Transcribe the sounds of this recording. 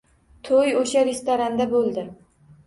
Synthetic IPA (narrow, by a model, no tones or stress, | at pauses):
t̪ʰojoʃaɾest̪oɾand̪abolˠd̪ɪ